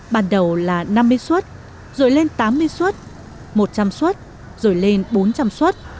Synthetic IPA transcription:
ɓaː˧˩nɗə˨˩wlaː˨˩na˧mːɨ˧əjswə˦˥t̚ | zo̰˨˩jle˧nt̪aː˨˦mːɨ˧əjswə˦˥t̚ | mo˨˩t̚t͡ɕa˧mswə˦˥t̚ | zo˨˩jle˧nɓo˨˦nt͡ɕa˧mswə˦˥t̚

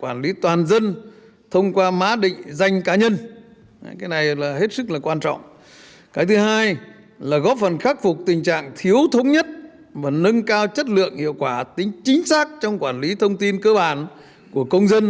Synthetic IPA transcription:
kwaː˧˩nli˨˦t̪waː˨˩nzə˧n | t̪ʰə˧wŋ͡mkwaː˧ma̰ː˨˦ɗḭ̈˧˨ŋ̟za˧jŋ̟kaː˨˦ɲə˧n˨ | kaː˨˦jna˨˩jlaː˨˩ɦe˦˥t̚sɨ˦˥k̚laː˨˩kwaː˧nt͡ɕɔ̰˧˨wŋ͡m | kaː˨˦jt̪ʰɨ˨˦ɦaː˧j | laː˨˩ɣɔ˦˥p̚fə˨˩nxaː˦˥k̚fʊ˨˩k͡p̚t̪ï˨˩ŋ̟t͡ɕa̰ː˧˨ŋt̪ʰi˨˦əwt̪ʰə˨˦wŋ͡mɲə˦˥t̚ | vaː˨˩nɨ˧ŋkaː˧wt͡ɕə˦˥t̬̚lɨ̰˧˨əŋhḭ˧˨əwkwaː˧˩t̪ï˨˦ŋ̟t͡ɕi˨˦ŋ̟saː˦˥k̚t͡ɕɔ˧wŋ͡mkwaː˧˩nli˨˦t̪ʰə˧wŋ͡mt̪i˧nkəː˧ɓaː˧˩n | ku˧˩əkə˧wŋ͡mzə˧n

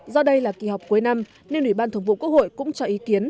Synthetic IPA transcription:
zɔ˧ɗə˧jlaː˨˩ki˨˩hɔ˨˩wk͡p̚ku˨˦jna˧m | ne˧nʔwi˧˩ɓaː˧nt̪ʰɨ˨˧˩wŋ͡mvṵ˧˨ku˦˥ək̚ho̰˧˨jkʊ̰˧˥ŋ͡mt͡ɕɔ˧ʔi˨˦ki˨˦ən

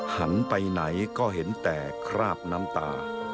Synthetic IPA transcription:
ha˩˦npa˧jna˩˦jkɔː˥˩ɦe˩˦nt̪ɛː˨˩kʰɾaː˥˩p̚naː˦˥mt̪aː˧

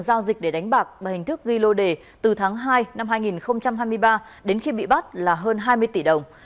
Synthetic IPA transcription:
zaː˧wzï˨˩k̚ɗe˧˩ɗa˨˦ŋ̟ɓaː˨˩k̚ɓaː˧˩hï˨˩ŋ̟t̪ɨ˦˥k̚ɣi˧lo˧ɗe˨˩ | t̪ɨ˨˩t̪ʰaː˨˦ŋɦaː˧jna˧mɦaː˧jŋi˨˩nxə˧wŋ͡mt͡ɕa˧mɦaː˧jmɨ˧əjɓaː˧ | ɗe˨˦nxi˧ɓḭ˧˨ɓa˦˥t̚laː˨˩ɦəː˧nɦaː˧jmɨ˧əjt̪i˧˩ɗə˨˩wŋ͡m

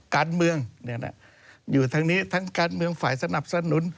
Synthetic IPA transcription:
kaː˧nmɯ˧əŋn˧˩na̰˧˩ | juː˨˩t̪ʰa˦˧˥ŋniː˦˥t̪ʰa˦˥ŋkaː˧nmɯ˧əŋfaː˨˩˦jsa˧na˨˩p̚sa˧nu˨˩˦n

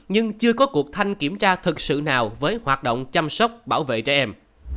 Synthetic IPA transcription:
ɲɨ˧ŋt͡ɕɨ˧əkɔ˨˦ku˨˩ək̚t̪ʰa˧jŋ̟ki˧˩əmt͡ɕaː˧t̪ʰɨ˨˩k̚sɨ̰˧˨naː˨˩wvəː˨˦jhwaː˨˩t̚ɗo̰˧˨wŋ͡mt͡ɕa˧msə˦˥wk͡p̚ɓaː˧˩wvḛ˧˨t͡ɕɛ˧˩ʔɛ˧m

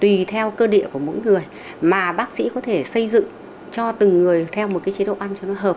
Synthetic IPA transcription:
t̪wi˨˩t̪ʰɛ˧wkəː˧ɗḭ˧˨ku˧˩əmo̰˧˥jŋɨ˨˩əj | maː˨˩ɓaː˦˥k̚sḭ˧˥kɔ˨˦t̪ʰe˧˩sə˧jzɨ̰˧˨ŋ | t͡ɕɔ˧t̪ɨ˨˩ŋːɨ˨˩əjt̪ʰɛ˧wmo˨˩t̚kaː˨˦jt͡ɕi˨˦ɗ̰o̰˧˨ʔa˧nt͡ɕɔ˧nɔ˨˦jɦəː˨˩p̚

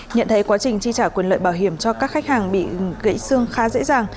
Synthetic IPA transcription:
ɲə̰˧˨nt̪ʰə˨˦jkwaː˨˦t͡ɕï˨˩ŋ̟t͡ɕi˧t͡ɕaː˧˩kwə˨˩nlə̰ː˧˨jɓaː˧˩wɦi˧˩əmt͡ɕɔ˧kaː˦˥k̚xa˦˥jk̚haː˨˩ŋɓḭ˧˨ɣə̰˧˥jsɨ˧əŋxaː˨˦zḛ˧˥zaː˨˩ŋ

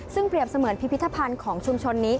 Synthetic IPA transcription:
sɯ˥˩ŋpɾi˨˩əp̚sa˧mɯː˩˦ənpʰi˦˥pʰi˦˥t̪ʰːa˧pʰa˧nkʰɔː˩˦ŋt͡ɕʰu˧mt͡ɕʰo˧nːiː˦˥

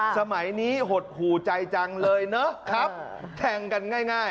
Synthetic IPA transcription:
sa˧ma˩˦jniː˦˥ɦo˨˩t̪̚huː˨˩t͡ɕa˧jt͡ɕa˧ŋlɤː˧jna˦˥kʰɾa˦˥p | t̪ʰɛː˧ŋka˧nŋaː˥˩jŋaː˥˩j

